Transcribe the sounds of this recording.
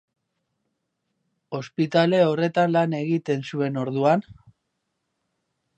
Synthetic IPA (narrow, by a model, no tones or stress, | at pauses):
o̞spit̪ale̞o̞re̞t̪anlane̞ɣit̪e̞nsue̞no̞ɾðuan